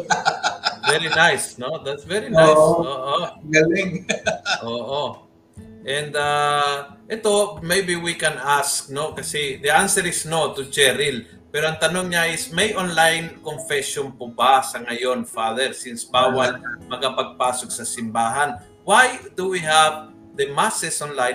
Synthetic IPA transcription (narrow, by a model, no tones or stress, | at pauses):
vɛɹinajsnod̪at̪svɛɹinajoːʔoɡɐlɪŋʔoːʔo | ʔɛ̃nd̪a | ʔɛt̪o̞mejbiwikɛnask̚no̞kɐsɛd̪ɛʔansɛɹɪsnot̪ʊd͡ʒɛɾɪl | pɛːɾoɐŋt̪ɐnoŋɲaʔɪsmɐjʔonlajnkonfɛʃonpobasɐŋɐjo̞nfaðɛɹsinsbaːwaɐlmɐkɐpɐɡ̚paːsok̚sɐsɪmbaːɦɐn | wajd̪uwiɦav | d̪ɐmasɛsʔonlaj